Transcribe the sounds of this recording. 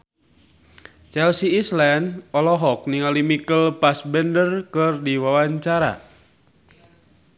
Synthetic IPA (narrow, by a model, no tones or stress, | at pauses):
t͡ʃɛlsiːslɛnɔlɔɦɔk̚niŋalimikəlpasbɛndərkɨrdiwawaɲt͡ʃaɾa̰